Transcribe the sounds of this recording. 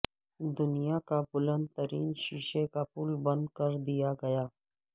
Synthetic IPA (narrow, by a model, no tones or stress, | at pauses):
d̪ʊnɪjakabʊlə̃nt̪t̪ːəɾiːnʃiːʃekapʊlbə̃nd̪kəɾd̪ijaɡɐjaː